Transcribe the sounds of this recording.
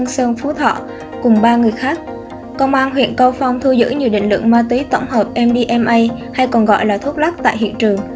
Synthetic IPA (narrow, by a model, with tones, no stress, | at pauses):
ŋsəː˧nfu˨˦t̪ʰɔ̰˧˨ | kʊ˨˩ŋ͡mɓaː˧ŋɨ˨˩əjxaː˦˥k̚ː | ɔ˧wŋ͡mʔaː˧nɦwḭ˧˨ənkə˧wfa˧wŋ͡mt̪ʰɨ˧zɨ̰˧˥ɲɨ˨˩wɗḭ̈˧˨ŋ̟lwɨ̰˧˨əŋmaː˧t̪wi˨˦t̪ə˧˩wŋ͡mhəː˨˩p̚ʔɛ˧mɗi˧ʔɛ˧mʔə˧jha˧jkɔ˨˩nɣɔ̰˧˨jlaː˨˩t̪ʰu˦˥t̚la˦˥k̚t̪a̰ː˧˨jɦḭ˧˨ənt͡ɕɨ˨˩əŋ